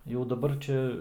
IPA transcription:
jɛʊ dɐˈbɐr ˈt͡ʃʲɛ

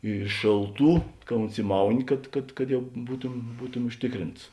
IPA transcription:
ɪ ˈʃʲeːlˠˌtuː kɐ ʊnʲsʲɪˈmɐʊnʲɪ kɐt kɐt kɐt jɛʊ ˈbuːtʊm ˈbuːtʊmʲɪ ʊʃʲˈtʲɪkˌrʲɪnts

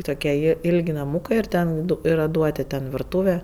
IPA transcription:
ˈtoːkʲiɛ ˈjɪ ˈɪlʲkʲ nɐˈmuːkɜ ɪr ˈtʲɛn ˈdʊ ˈiːrɐ ˈduɔtʲɪ tʲɛn ʋʲɪrˈtuːʋʲɛ

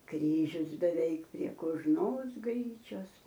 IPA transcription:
ˈkrʲiːʒʲʊs bʲɛˈʋʲɛɪk pʲrʲiɛ koːʒˈnoːs ˈɡrʲiːt͡ʃʲoːs

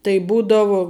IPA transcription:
tɐɪ ˈbuːdɐʋʊ

